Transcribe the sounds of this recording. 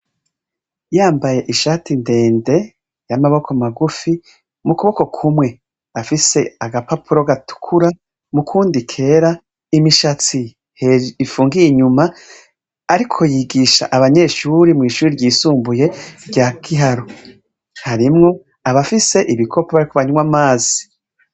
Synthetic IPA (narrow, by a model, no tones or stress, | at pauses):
jaːmbaje̞ʔiʃaːtinde̞ːnde̞ | jamaβo̞kʰomaɡufi | mukuβo̞ko̞kʰumŋe̞ | afise̞aɡapapʰuɾo̞ɡatu̥kʰuɾa | mukʰuːndikʰe̞ːɾa | imiʃati | heifuːŋɡiiɲumaː | ɾikʰo̞jiɡiʃa̰ʔaβaɲe̞ʃuːɾimŋiːʃuːɾiɾɟiːsuːmbuje̞ɾɟaːkʰiɦaɾo | haɾimŋo̞ | aβafise̞ʔiβikʰo̞paβaɾikuβaɲuwamaːzi̥